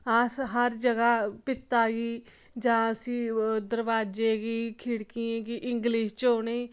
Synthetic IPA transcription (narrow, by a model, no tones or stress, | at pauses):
aːsɦəɾd͡ʒəɡapɪt̪ːaːɡiː | d͡ʒaãːsiːd̪əɾʋaːd͡ʒeːɡiːkʰɪɽkiẽːkiʔɪ̃ŋɡliːʃt͡ʃoːneː